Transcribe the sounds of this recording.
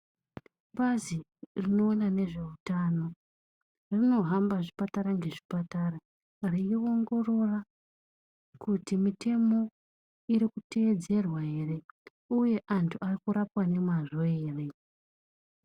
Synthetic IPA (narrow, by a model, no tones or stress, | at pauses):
bazirino̞ːnane̞ʐe̞utaːno̞ | rino̞ɦambaʐipataɾaŋɡe̞ʐi̥pataɾa | riio̞ŋɡo̞ro̞ra | kutimite̞mo̞ | iɾikuteːd͡ze̞rwaɦere̞ | uje̞ʔantʰuʔarikuɾapwane̞mwaʐo̞eːre̞